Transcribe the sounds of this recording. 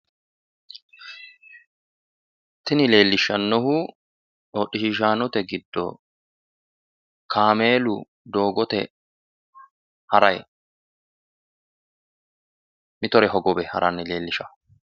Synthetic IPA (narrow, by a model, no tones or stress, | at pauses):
t̪ːɪnɪle̞ːlːɪʃːɐnːɔɦʊ | ᶑɔɗːɪʃɪʃ̬aːnɔt̪ɛɡɪd̪ːɔ̰ | kʰaːme̞ːlʊ | d̪o̞ːɡɔt̪ɛ | hɐɾɐj | mɪt̪ɔɾɛɦɔɡɔbɛhɐ̰ɾʔɐnːɪle̞ːlːɪʃɐ̥